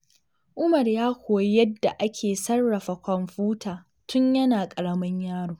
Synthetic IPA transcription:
ʔʊ˦mɐ˨rjaː˦kʷoː˨jjɐ˦dːa˨ʔa˦kʲʰeː˨sɐ˦rːɐ˨ɸa˨kʷɔ˨mɸuː˦tʰaː˨ | tʊ˦ɲjɐ˦naː˨kʼɐ˨ɽɐ˦mɐ˦ɲjaː˦ɽoː˨

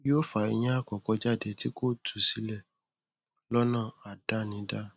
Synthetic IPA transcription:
jo˦fa˧˨i˧ɲ̃ã˦a˦˨kɔ˨kɔ˨˧d͡ʒa˦˨de˧ti˦ko˦˨tʰu˨si˦lɛ˦˨ | lɔ˦nã˦˨a˨da˦nĩ˨˦da˦

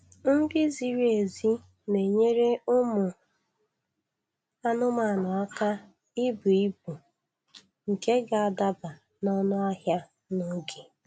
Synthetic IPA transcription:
ŋ̩˦dɪ˦zi˨ɾe˨zi˦ | ne˨ɲe˦ɾe˦ʊ˦mʊ˨ | a˦nʊ˦ma˨nʊ˨a˦ka˦ | i˦bu˨i˦bu˨ | ŋ̩˨ke˦ɡa˨a˨da˦ba˨ | nɔ˦nʊ˦a˦ɦja˦ | nʊ˦ɡi˨

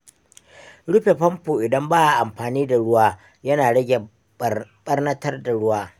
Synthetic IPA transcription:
ɽʊ˦ɸe˨ɸɐ˦mpoː˨ʔɪ˨dɐ˦mbaː˦ʔa˨ʔa˨mɸaː˨niː˦da˨ɽʊ˦waː˦ | jɐ˦naː˨ɽɐ˦ɡʲe˨ | ɓɐ˦rnɐ˦tɐ˦rda˨ɽʊ˦waː˦

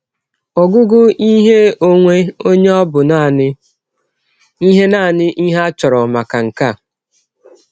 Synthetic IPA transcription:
ɔ˨ɡʊ˦ɡʊ˦i˦ɦe˦o˦ŋʷe˦o˦ɲe˦ɔ˦bʊ˨na˦˨nɪ˦ | i˦ɦe˦naː˦˨nɪ˦ʔi˦ɦe˦a˦t͡ʃɔ˨ɾɔ˨ma˨ka˨ŋ̩˨ka˦˨

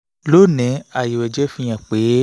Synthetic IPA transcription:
lo˦˨nɛ̃˨˦a˨ji˨wɛ˨d͡ʒɛ˦fĩ˧j̃ã˨k͡pe˨˦

